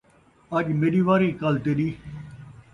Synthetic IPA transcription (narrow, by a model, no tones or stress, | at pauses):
ɐd͡ʒmeɗiːʋaːɾiːkalt̪eɗiː